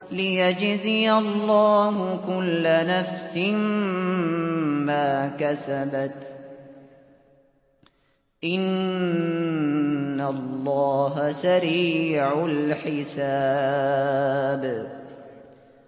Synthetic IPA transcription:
lɪjad͡ʒzɪjalˤːɑːɦʊkʊlːanafsɪmm | maːkasabat̪ | ʔɪnn | alˤːɑːɦasaɾiːʕalħɪsaː | b

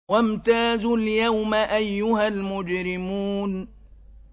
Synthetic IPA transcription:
wamt̪aːzʊljawmaʔajːʊhalmʊd͡ʒɾɪmuːn

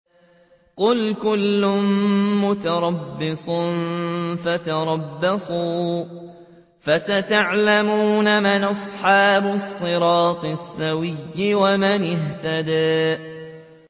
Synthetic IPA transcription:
qʊlkʊlːʊmmʊt̪ɑɾˤɑbːɪsˤʊnfat̪ɑɾˤɑbːɑsˤuː | fasat̪aʕlamuːnamɪnʔɑsˤħɑːbʊsˤːɨɾɑːt̪ˤɨsːawɪjːɪwamanɪht̪ad̪aːʔ

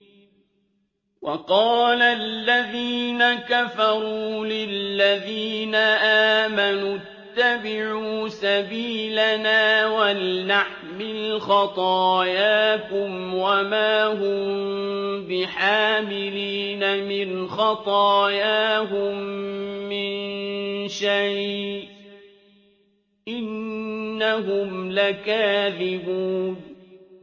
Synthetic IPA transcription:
wɑqɑːlalːaðiːnakafɑɾˤuːlɪlːaðiːnaʔaːmanu | t̪ːabɪʕuːsabiːlanaːwalːaħ | mɪlxɑt̪ˤɑːjaːkʊmwamaːɦʊm | bɪħaːmɪliːnamɪnxɑt̪ˤɑːjaɦʊmː | ɪnʃaj | ʔɪnː | aɦʊmlakaːðɪbuːn

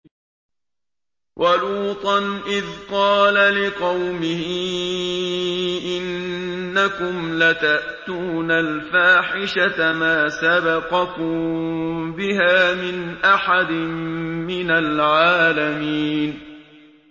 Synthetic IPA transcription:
wʔaluːt̪ˤɑnʔɪðqɑːlalɪqɑwmɪhɪ | ʔɪnːakʊmlat̪aʔt̪uːnalfaːħɪʃat̪amaːsabɑqɑkʊm | bɪɦaːmɪnʔaħad̪ɪmːɪnalʕaːlamiːn

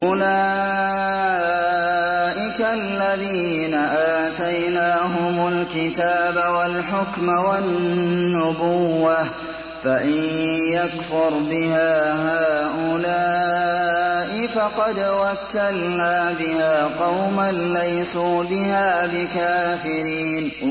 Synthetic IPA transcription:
ʔʊlaː | ʔɪkalːaðiːnaʔaːt̪ajnaːɦʊmʊlkɪt̪aːbawalħʊkmawanːʊbʊwːa | faʔɪnjakfʊɾbɪhaːɦaːʔʊlaː | ʔɪfɑqɑd̪wakːalnaːbɪhaːqɑwmanːajsuːbɪhaːbɪkaːfɪɾiːn

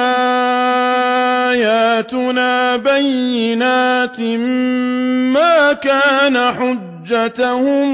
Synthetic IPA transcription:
a | jaːt̪ʊnaːbajːɪnaːt̪m | maːkaːnaħʊd͡ʒːat̪ahʊm

